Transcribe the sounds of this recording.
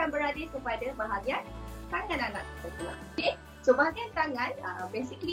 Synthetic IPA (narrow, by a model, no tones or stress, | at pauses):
anbəɾadikəpadabaɦaɡiant̪aŋãnanat̪̚əsət̪ia̰ke | sobaɦaɡiant̪aŋãnəbesikli